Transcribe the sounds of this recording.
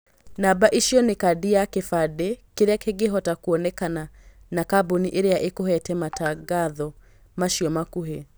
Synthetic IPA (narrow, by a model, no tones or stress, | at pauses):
nabaʔiʃjɔnekadiakefadekeɾeakeɡeɦɔtakuɔnɛkana | nakaboniʔeɾejaʔekohɛtɛmataɡaðɔ | maʃiɔmakuɦe